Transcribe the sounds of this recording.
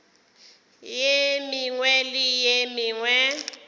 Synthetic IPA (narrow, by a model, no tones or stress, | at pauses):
jemiŋwɛlijemiŋwɛ